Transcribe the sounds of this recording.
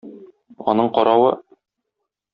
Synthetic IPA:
ɒ̰nɤɴqɒɾɑwɤ

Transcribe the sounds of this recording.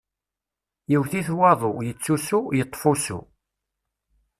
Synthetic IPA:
jiwθiθwɑðˤojət͡sːusujət̪ˤːfusṵ

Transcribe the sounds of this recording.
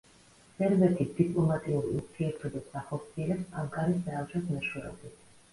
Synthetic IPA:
sʼɛɾbɛt̪ʰid̪ipʼlˠɔmat̪ʼiuɾiuɾt̪ʰiɛɾt̪ʰɔbassaχɔɾt̪sʰiɛlɛpsaŋkʼaɾisd̪aːt͡ʃʰʼɔsmɛʃwɛɾɔ̰bit̪ʰ

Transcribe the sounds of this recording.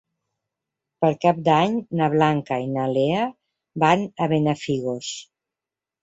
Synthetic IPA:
pəɾkap̚d̪aɲnaβlaŋkainalea | banəβenəfiɣos

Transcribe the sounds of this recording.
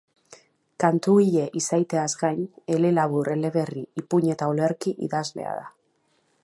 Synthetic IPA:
kant̪uiʎe̞ʔisajt̪e̞azɡajɲe̞le̞laβuɾe̞le̞βe̞riipuɲe̞t̪aole̞ɾkiʔḭðazle̞̰a̰ða

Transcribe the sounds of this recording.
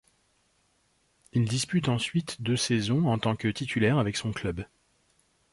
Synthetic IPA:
ild̪ispyt̪ɑ̃sɥit̪d̪øsezɔ̃ɑ̃t̪ɑ̃kət̪it̪ʰylɛʁavɛksɔ̃klœb

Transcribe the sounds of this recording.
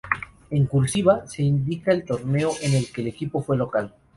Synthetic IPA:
eŋkulsiβ̞ase̞ind̪ikae̞lt̪o̞ɾne̞oʔe̞ne̞lke̞le̞kipo̞fwe̞lo̞kal

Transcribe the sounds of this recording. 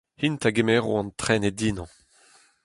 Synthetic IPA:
hint̪aɡemɛːʁoɑ̃nt̪χɛned̪inɑ̃

